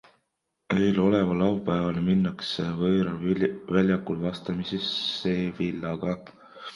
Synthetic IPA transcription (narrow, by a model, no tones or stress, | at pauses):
ejlo̞le̞vɑlɑwpæevɑlminːɑksevɤːɾɑvælʲjɑkːulvɑst̪ɑmisesːeːvilːɑɡ̥ɑ